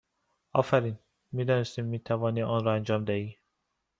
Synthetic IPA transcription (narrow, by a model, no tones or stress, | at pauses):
ɒːfæɾiːn | miːd̪ɒːnest̪iːmːiːt̪ʰævɒːniːʔɒːnɾɒːænd͡ʒɒːmd̪æhiː